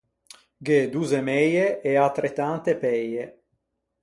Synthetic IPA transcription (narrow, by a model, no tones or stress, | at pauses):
ɡed̪uzemɛjeʔeat̪ːɾet̪ant̪epɛje